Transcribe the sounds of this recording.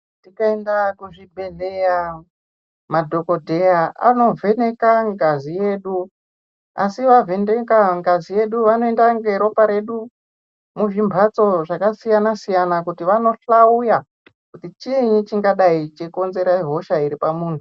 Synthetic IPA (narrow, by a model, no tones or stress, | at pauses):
tikaendakuʐibʱe̞leja | madʱo̞ko̞dʱe̞jaa̰no̞vʱe̞ne̞kaŋɡazije̞ːɗu | a̰siʋave̞ndekaŋɡazije̞ɗuʋano̞endaŋɡe̞ɾo̞paɾe̞ɗu | muʐimbʱat͡so̞ʐakasijanasijanakutiʋano̞ɬauja | kutit͡ʃieɲit͡ʃiŋɡaɗait͡ʃeko̞nze̞ɾaiɦo̞ʃaiɾipamuːntʰu